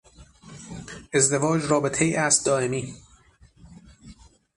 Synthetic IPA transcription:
e̞zd̪e̞vɒːd͡ʒɾɒːbe̞t̪ʰejiːʔæst̪̚d̪ɒːemiː

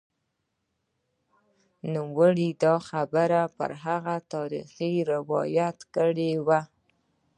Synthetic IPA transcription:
numwəɽid̪ɑxabəɾapə̰ɾɦaɣat̪ɑɾḭxiɾɪwɑ̰jat̪kəɽewa

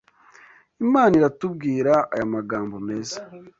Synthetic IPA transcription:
imaːniɾatub̚ɡiːɾaa̰jamaɡaːmbo̞me̞ːzḁ

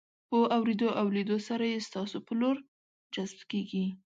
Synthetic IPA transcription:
pəʔawɾed̪oʔawled̪osaɾajest̪ɑsopəloɾ | d͡ʒazbkeɡi

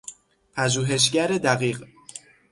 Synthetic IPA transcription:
pʰæʒuːɦe̞ʃ̬ɟæɾed̪æɣiːɢ

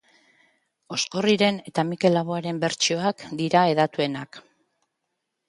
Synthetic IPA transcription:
o̞sko̞riɾe̞ne̞t̪amike̞laβ̞oaɾe̞mbe̞ɾt͡ʃio̞akd̪iɾae̞ðat̪ue̞nak

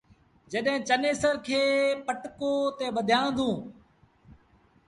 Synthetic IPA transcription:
d͡ʒəɗɦɪ̃ːt͡ʃəneːsəɾkʰeːpəʈkoːt̪eːɓəd̪ʱjãːnd̪ũː

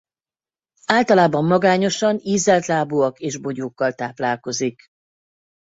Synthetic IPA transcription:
aːlt̪ɒlaːbɒmːɒɡaːɲo̞ʃɒniːzːɛlt̪laːboːɒkeːʒbo̞ɟoːkːɒlt̪aːplaːlko̞zik

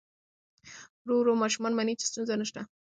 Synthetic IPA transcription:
ɾuɾomɑʃumɑnmanit͡ʃe̥st̪unzanəʃt̪a

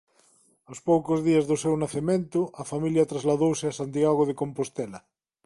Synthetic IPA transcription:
awspowkozðiɐzðosewnaθemẽnt̪ʊʔafamiljɐt̪ɾazlaðowseasand̪iaɣoð̞ekompost̪ɛlɐ

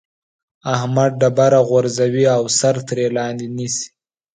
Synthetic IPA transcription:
ahmad̪̚ɖabaɾaɣwaɾzawiawsaɾt̪ɾelɑnd̪inisi̥

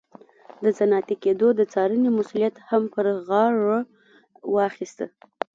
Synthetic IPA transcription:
d̪əzanɑt̪iked̪od̪ət͡sɑɾənimʊsulijat̪hampəɾɣɑɻo | wɑxist̪ə

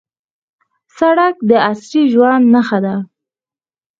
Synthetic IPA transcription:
saɽak̚d̪əasɾiʒwand̪naxad̪a

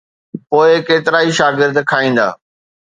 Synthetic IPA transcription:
poːɪkeːt̪ɪɾaːiʃaːɡɪɾd̪kʰaːĩːnd̪a̰ː

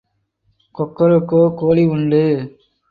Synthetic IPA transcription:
kɔkːɐɾɯkːoːkoːɭiʊɳɖɯ

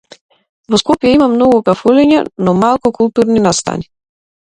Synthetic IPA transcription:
vɔskɔpjɛimamnɔɡukafulɛɲanɔmalˠkukulˠt̪uɾninast̪a̰ni

